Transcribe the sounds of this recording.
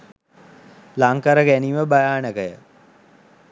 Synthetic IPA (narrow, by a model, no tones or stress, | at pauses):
laŋkaɾəɡæniʋəbajaːnəkəjə